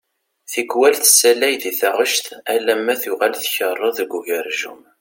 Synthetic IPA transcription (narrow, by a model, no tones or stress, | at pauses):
θiɡwælθəsælæjðiθəʁəʃt̪ælæmːæθʊʁalθçərˤːɑðəɡʷuʝəɾʒṵm